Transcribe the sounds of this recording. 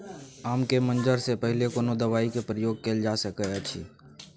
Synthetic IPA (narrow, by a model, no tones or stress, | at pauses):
aːmkemə̃nd͡ʒəɾsepəɦɪlekoːnod̪əʋaːikepɾəjoːɡ̚keːld͡ʒaːsəkəət͡ʃʰḭː